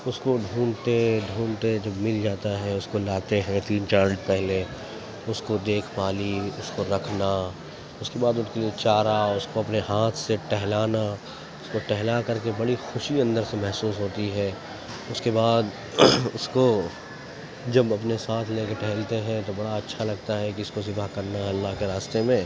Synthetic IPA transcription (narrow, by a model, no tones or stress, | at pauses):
ʊskoɖʱũːnt̪eɖʱũːnt̪ed͡ʒɐbmɪld͡ʒaːt̪aɦɛ̃ʊskolaːt̪eɦɛ̃t̪iːnt͡ʃaːɾəʈpɛɦle | ʊskod̪eːkʰpaːliʊskoɾɐkʰna | ʊskebaːd̪ʊnkeliet͡ʃaːɾaʊskoɐpneɦaːt̪ʰseʈɛɦlaːna | ʊskoʈɛɦlakɐɾkebɐɽixʊʃiɐ̃nd̪əɾsemɛɦsuːsɦoːt̪iɦɛ | ʊskebaːd̪ | ʊsko | d͡ʒɐbɐpnesaːt̪ʰlekeʈɛɦlt̪eɦɛ̃t̪obɐɽaɐtːʃʰalɐɡ̚t̪aɦɛkiʊskosɪbʱakɐɾnaɦɛɐlːaːɦkeɾaːst̪emẽ